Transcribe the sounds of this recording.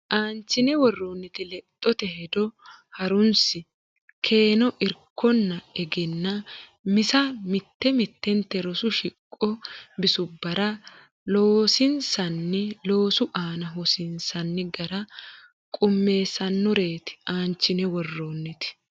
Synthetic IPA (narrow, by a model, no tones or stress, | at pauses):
ʔaːnt͡ʃːɪnɛwɔrːoːnːɪt̪ɪlɛt̪ʼːɔt̪ɛɦɛd̪ɔhɐɾʊnsɪ | kʰe̞ːnɔʔɪɾkʰːɔnːɐɛɡɪnːɐmɪsɐmɪt̪ːɛmɪt̪ːɛnt̪ːɛɾɔsʊʃɪkʼːɔbɪsʊbːɐɾɐ | loːsɪnsɐnːɪlo̞ːsʊʔaːnɐɦɔsɪnsɐnːɪɡɐɾɐ | kʼʊmːe̞ːsɐnːɔɾe̞ːt̪ɪ̥ʔaːnt͡ʃːɪnɛwɔrːoːnːɪt̪ɪ̥